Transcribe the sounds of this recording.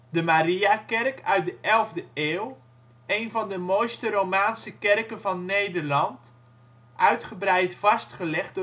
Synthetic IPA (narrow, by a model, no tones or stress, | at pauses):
dəmaɾiakɛrkœɥt̚dəʔɛlˠvdəeːlˠ | ejnvɑndəmojstəɾowmaːnsəkɛrkənvɑnːejdəɹlɑnt | ʔœɥtχəbrɛjtfɑstχəlɛχ̚d